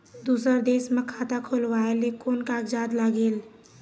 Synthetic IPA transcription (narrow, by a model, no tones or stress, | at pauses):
d̪usəɾd̪esmekʰat̪akʰolʋaelekonkakd͡ʒad̪laɡeːl